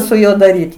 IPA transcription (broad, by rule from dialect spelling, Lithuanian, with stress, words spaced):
sʊ ˈjuɔ dɐˈrʲiːtʲɪ